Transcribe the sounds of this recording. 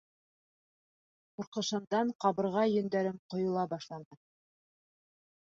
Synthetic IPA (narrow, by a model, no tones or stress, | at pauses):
quɾqɤ̆ʃɤ̆md̪ɑɴqɑβɤ̆ɾʁɑjɵ̆nd̪æɾɘmqŏjŏlˠɑbɑʃlˠɑɴɑn